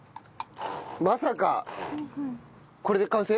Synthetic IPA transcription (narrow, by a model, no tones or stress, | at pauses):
masaka | koɾed̪ekãñse